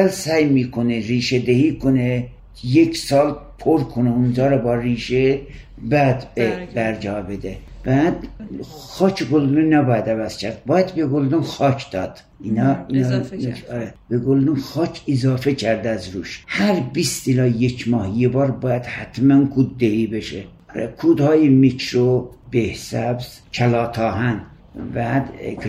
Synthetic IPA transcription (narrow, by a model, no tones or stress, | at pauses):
ælsæjmiːkʰoneɾiːʃed̪ehiːkʰone | jecʰsɒːlpʰoɾkʰoneund͡ʒɒːɾɒbɒːriːʃe | bæd̪bebæɾd͡ʒɒːbed̪e | b̥æːd̪ | xɒːcʰeɡold̪unnːæbɒːjæd̪ævæz̥cʰæɾd̪̥̚bɒːjæd̪beɡold̪unxɑːcʰd̪̥ɒːd̪̥ | inɑin | ɾeb̥eɡold̪unxɒːcʰezɑːfecʰæɾd̪æzɾuːʃhæɾbist̪ilɒːjecʰmɒːhjebɒːɾbɒːjæd̪̥hæt̪ʰmænkʰuːd̪ːeibeʃe | kʰuːd̪hɑːjemicʰɾobehsæbz̥ | cʰælɒːt̪ʰɒːɦæn | bæd̪